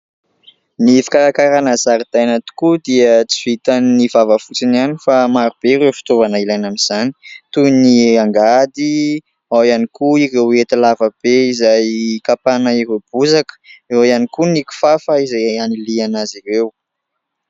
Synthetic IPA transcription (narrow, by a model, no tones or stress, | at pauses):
nifi̥kaɾakaɾanazaɾid̪̥ajnat̪u̥kud̪iət͡si̥vit̪anːivavəfut͡sinianifamaɾub̥eiɾewfi̥t̪ovanəilajnamiz̥ani̥t̪uniaŋɡad̪i | awjanikuiɾewet̪alavəb̥eizajkapanaiɾeb̥uzakə̥ioanikuniku̥fafaizajanilianaziɾew